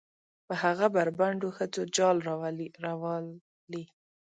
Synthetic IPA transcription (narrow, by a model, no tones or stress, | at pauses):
pəhaɣabaɾbaɳɖoxət͡sod͡ʒɑlɾaw | li